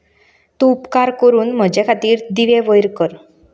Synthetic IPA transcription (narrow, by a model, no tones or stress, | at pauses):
t̪ũupkaɾkəɾuːnm̤əd͡ʑekʰat̪iːɾd̪iʋeʋəjɾkəɾ